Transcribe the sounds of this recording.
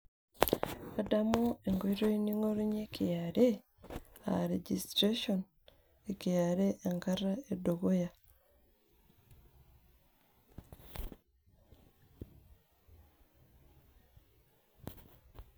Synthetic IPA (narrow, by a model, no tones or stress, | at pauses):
adamoeŋɡoiɾoiniŋoɾuɲekʰijaɾe | a̰ɾeɟistɾeʃon | ekijaɾeʔːŋkaraedoɣoja